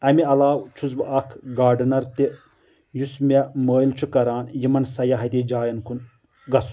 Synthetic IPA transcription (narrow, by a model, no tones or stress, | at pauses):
ɐmiɐlaːwt͡ʃʰuzbɨʔɐkʰɡaːɖɨnɐɾt̪i | jusmʲeməːjlt͡ʃʰukɐɾaːnjimɐnsɐjɐɦɐt̪ʲid͡ʒaːjɐnkʰun | ɡɐs